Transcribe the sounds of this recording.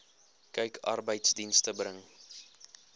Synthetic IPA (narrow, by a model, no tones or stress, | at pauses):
kəjkʰɐ̰rbəjtsdinstəbrəŋ